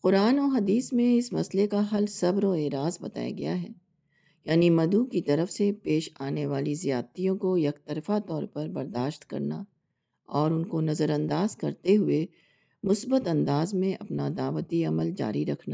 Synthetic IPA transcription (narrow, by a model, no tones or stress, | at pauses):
qʊɾaːnɔɦɐd̪iːsmẽɪsmɐ̰slekaɦɐlsɐbɾɔːeːɾaːzbɐt̪a̰ːja̰ɡɐ̰jaɦɛ̰ː | jaːnimɐd̪ukit̪ɐɾəfsepeːʃaːneʋaːlizijaːt̪ijõkojɐkt̪əɾfat̪ɔːɾpɐɾbɐɾd̪aːʃt̪kɐ̰ɾna | ɔːɾʊnkonɐzəɾɐ̃nd̪aːzkɐɾt̪eɦʊe | mʊsbət̪ɐ̃nd̪aːzmẽʔɐ̰pnad̪aːʋət̪iɐməld͡ʒa̰ːɾiɾɐkʰnaː